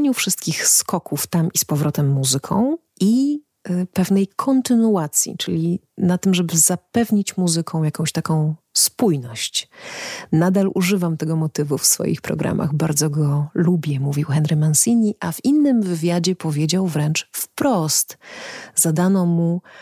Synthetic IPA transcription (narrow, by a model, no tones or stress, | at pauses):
ɲufʂɘst̪kʲixskɔkuft̪amispɔvɾɔt̪ɛmːuzɘkʰɔ̰̃w̃ʔi | pɛvnɛjkʰɔnt̪ɘnuat̪sʲjḭt͡ʂɘlʲinat̪ɘmʐɛbɘzapɛvɲit͡ɕmuzɘkʰɔ̃w̃jakɔ̃w̃ɕt̪akɔ̃w̃spujnɔɕt͡ɕ | nad̪alṵʐɘvamt̪ɛɡɔmɔt̪ɘvufsfɔ̰jḭxpɾɔ̰ɡɾʔa̰mʔa̰ɣbaɾd̪zɔɡɔlubʲjɛmuvʲiwxɛnɾɘmansʲiɲːiʔavinːɘmvɘvʲjad͡ʑɛpɔvʲjed͡ʑawvɾɛnt͡ʂfpɾɔst̪zad̪anɔmu